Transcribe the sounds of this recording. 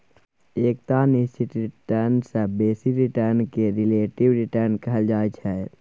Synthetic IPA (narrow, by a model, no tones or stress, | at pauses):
eːk̚t̪anɪst͡ʃɪʈɾɪʈəɾnsebeːsikɾɪʈəɾnkeɾɪleːʈɪʋɾɪʈəɾnkəɦəld͡ʒaːt͡ʃʰɛ